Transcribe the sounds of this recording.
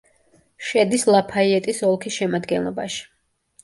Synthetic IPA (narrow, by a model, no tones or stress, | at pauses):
ʃɛd̪islˠapʰaiɛt̪ʼisɔlˠkʰisʃɛmad̪ɡɛnlˠɔ̰ba̰ʃi̥